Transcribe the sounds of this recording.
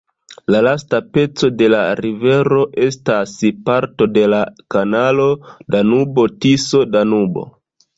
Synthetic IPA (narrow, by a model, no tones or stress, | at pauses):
lalastape̞t͡so̞de̞laɾive̞ɾo̞ʔe̞staspaɾto̞de̞lakanalo̞danubo̞tiso̞danubo̞̰